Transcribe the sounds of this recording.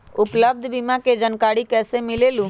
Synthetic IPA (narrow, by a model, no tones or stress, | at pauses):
ʊpləb̚d̪ʱbɪmãked͡ʒənkaːɽikɛːsemɪleːlũ